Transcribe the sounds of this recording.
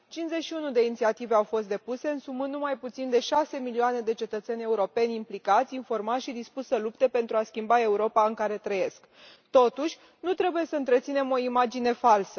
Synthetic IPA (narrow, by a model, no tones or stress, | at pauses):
t͡ʃinze̞t͡ʃʃiunud̪e̞init̪siat̪iveawfo̞st̪d̪e̞puse̞ɨnsumɨnːumajput̪sind̪e̞ʃase̞milioane̞d̪e̞t͡ʃe̞t̪ət̪se̞nʲe̞uɾo̞pe̞nʲimplikat̪sʲinfo̞rmat̪ʃid̪ispussəlup̚t̪e̞pe̞nt̪ɾuaskʲimbae̞uɾo̞paɨŋkaɾe̞t̪ɾəje̞sk | t̪o̞t̪uʃʲ | nut̪ɾe̞buje̞səɨnt̪ɾe̞t̪sine̞mo̞imad͡ʒine̞falsə̥